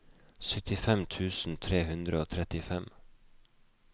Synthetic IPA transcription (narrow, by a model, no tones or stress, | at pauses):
sʏt̪ɪfɛmt̪ʰʉːsn̩t̪ʰɾeːhʉnd̪ɾəoːt̪ʰɾɛt̪ɪfɛm